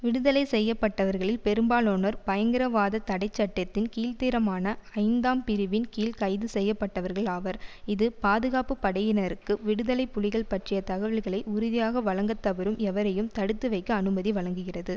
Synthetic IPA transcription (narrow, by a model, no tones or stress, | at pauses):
ʋɪɽɯðɐlɐɪsɛjːɐpːɐʈːɐʋɐɾɣɐɭɪlpɛɾɯmbaːloːnɐɾpɐjɐŋɡɪɾɐʋaːðɐt̪ːɐɽɐɪt͡ʃːɐʈːɐt̪ːɪnkiːlt̪iːɾɐmaːnɐɐɪnd̪aːmpɪɾɯʋɪnkiːlkɐɪðɯsɛjːɐpːɐʈːɐʋɐɾɣɐɭaːʋɐɾɪðɯpaːðɯɣaːpɯpːɐɽɐjɪnɐɾɯkːɯʋɪɽɯðɐlɐɪpːʊɻɪɣɐɭpɐʈrɪjɐt̪ɐɣɐʋɪɭɣɐɭɐɪʔʊɾʊðɪjaːɣɐʋɐɭɐŋɡɐt̪ːɐʋɐɾɯmɛʋɐɾɐjɯmt̪ɐɽɯt̪ːɯʋɐɪkːɐːnɯmɐðiʋɐɭɐŋɡɯɣɪrɐðɯ